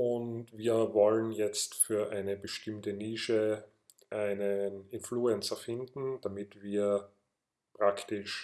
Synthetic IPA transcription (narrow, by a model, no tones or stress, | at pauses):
ʊntviːɐvɔlənjɛt͡stfyːɐʔaɪnəbəʃtɪmtəniːʃə | ʔaɪnənɪnfluɛnt͡sɐfɪndn̩d̥amɪtv̥iːɐ | pʁ̥aktɪʃ